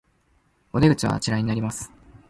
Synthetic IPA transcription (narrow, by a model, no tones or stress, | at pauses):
o̞d̪e̞ɡɯ̟t͡ɕiβa̰t͡ɕiɾaiɲ̟inaɾʲimasɨ̥